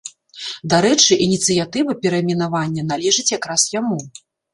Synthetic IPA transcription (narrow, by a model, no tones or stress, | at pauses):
d̪aɾɛt͡ʂɨʔinʲit̪sɨjat̪ɨvɐpʲɛɾɐmʲinavanʲːɐnalʲɛʐɨt͡sʲjakɾasjamu